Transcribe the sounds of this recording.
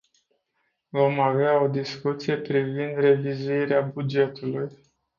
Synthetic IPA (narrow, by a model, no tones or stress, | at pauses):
vo̞maveao̞d̪iskut̪sije̞pɾivind̪re̞vizuiɾeabud͡ʒe̞t̪uluj